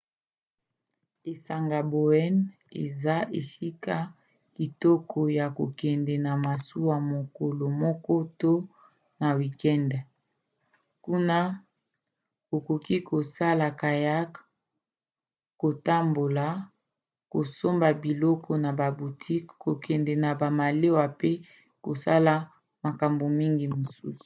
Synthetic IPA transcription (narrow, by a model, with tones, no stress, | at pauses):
e˨sa˨ŋɡa˨bo˨ɛ˦n | ḛ˨za˦ʔe˨si˦ka˦ | ki˨tɔ˦kɔ˨ja˨ko˨kɛ˨ndɛ˨na˨ma˨su˦wa˨mo˨ko˨lo˨mɔ˦kɔ˦to˦ | na˨wi˨kɛ˦ndɛ˨ | ku˦na˦ | ko˨ko˨ki˦kʰo˨sa˦la˨ka˨ja˦k | ko˨ta˦mbo˨la˨ | ko˨so˦mba˨bi˨lɔ˦kʰɔ˦na˨ba˨bu˨tʰi˦kko˨kɛ˨ndɛ˨na˨ba˨ma˨le˦wa˨pe˦ | ko˨sa̰˦la˨ | ma˨ka˨mbo˨mi˦ŋɡi˨mo˨sṵ˦su̥˨